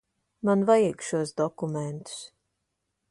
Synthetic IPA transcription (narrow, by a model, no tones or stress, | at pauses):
manvajiɡʃuɔsd̪ɔkumɛnt̪u̥s